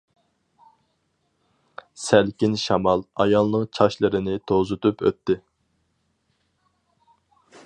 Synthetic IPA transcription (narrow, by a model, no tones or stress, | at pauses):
sælkʲinʃɑmɑlˠɑ̰jɑlˠnɨŋt͡ʃʰɑʃlˠɨɾɪnɪt̪ʰozɨt̪ʰupʰø̰t̪ːɪ